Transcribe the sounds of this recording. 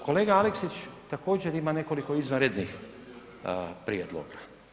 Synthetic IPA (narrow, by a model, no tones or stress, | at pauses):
kʰo̞le̞ːɡaaleksit͡ɕt̪ako̞ːd͡ʑeɾimane̞ko̞liko̞izʋanɾed̪nix | pɾied̪lo̰ɡa